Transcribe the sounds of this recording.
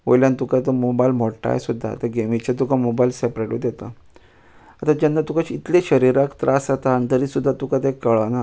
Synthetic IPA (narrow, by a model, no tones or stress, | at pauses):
ʋo̰jljant̪ukat̪omobailmɔʈa̰jḛsud̪ʱːa̰t̪aɡemit͡ɕat̪ukamobajlsepɾeʈud̪ɛt̪a | at̪ad͡ʑanːat̪ukat͡ɕiːt̪leɕəɾiɾakt̪ɾasat̪anit̪əɾiːsud̪ʱːat̪ukat̪ẽkəɭana